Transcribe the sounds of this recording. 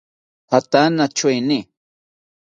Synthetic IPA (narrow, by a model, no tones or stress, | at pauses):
pat̪anat͡ʃʊjnɪ